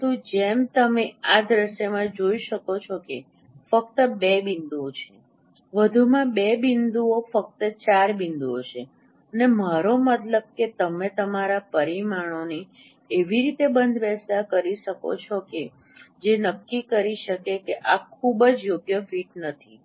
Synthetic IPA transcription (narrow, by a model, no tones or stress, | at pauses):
t̪ũd͡ʒemt̪əmead̪ɾəʃjəmãd͡ʒoiʃəkot͡ʃʰoke | fək̚t̪əbebind̪uot͡ʃʰe | ʋəd̪ʱumãbebind̪uofək̚t̪ət͡ʃaɾbind̪uo̰t͡ʃʰe | ənemaɾomət̪ləb̚ket̪əmet̪əmaɾapəɾimaɽ̃oni | eʋiɾit̪ebənd̪ʱʋɛsakəɾiʃəko̰t͡ʃʰoke | d͡ʒenəkːikəɾiʃəkekeʔakʰubəd͡ʒjoɡjəfiʈnət̪ʰi